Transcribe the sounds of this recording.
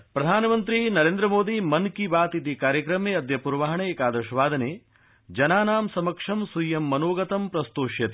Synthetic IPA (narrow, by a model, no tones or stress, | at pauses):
pɾɐd̪ʱaːnɐmɐnt̪ɾinɐɾeːnd̪ɾɐmoːd̪imɐnkibaːt̪it̪ikaːɾjɐkɾɐmeːɐd̪ʱjɐpuɾʋaːɦɐɳekaːd̪ɐʃɐʋaːd̪ʱɐneː | d͡ʒɐnaːnaːmsɐmɐkʂɐmsujːɐmːɐnoːɡɐt̪ɐmpɾɐst̪oːʂjɐt̪i